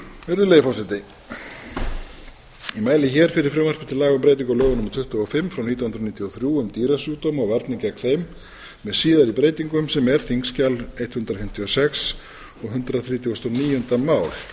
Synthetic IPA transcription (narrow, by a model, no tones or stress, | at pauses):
vɛɾðʏleːjfɔwsɛt̪ɪ | imaːjlɪçɛːɾ̥fɪɾɪɾ̥fɾɪwmɛɾ̥pʏɾ̥t̪ʰɪlaːɣʏmpɾeːjt̪iŋkʏlœːɣʏnʏmat̪ʰʏht̪ʏɔfɪmːfɾawniːt̪awhʏnɾaniːt̪ʰiɔθɾjuʏmt̪iːɾasjuːt̪omɔɣvaɾt̪nɪcɛkθejmː | ɛðsiːðaɾipɾeːjt̪iŋkʏmsɛmɛɾ̥θiŋkscalejt̪hʏnt̪ɾafɪm̥t̪ʰiɔsɛks | ɔɣɦʏnt̪ɾaθɾiːt̪ʰjɔst̪ɔniːjɔnt̪amaːwl̥